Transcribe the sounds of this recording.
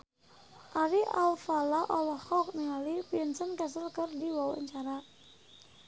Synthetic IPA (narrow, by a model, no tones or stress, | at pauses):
ʔaɾiʔalfalaʔɔlɔhɔk̚niŋalipiənsənkɛsəlkərdiwawa̰ɲt͡ʃaɾa